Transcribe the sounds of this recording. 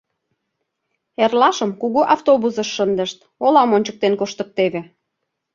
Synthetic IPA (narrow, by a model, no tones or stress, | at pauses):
erlɑʃəmkuɣuʔɑft̪oβusəʃːənd̪əʃt̪ | olɑmonʲt͡ɕək̚t̪enkoʃt̪ək̚t̪eβe